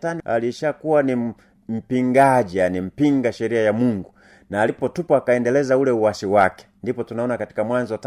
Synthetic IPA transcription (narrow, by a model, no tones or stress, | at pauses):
tania̰liʃakuwani | m̩piŋɡaʄijanim̩piŋɡaʃɛɾiajamuŋɡu | naːlipɔtupaakaɛndɛlɛzaulɛuwasiwakɛ̥ndipɔtunaɔnakati̥kamwanzɔt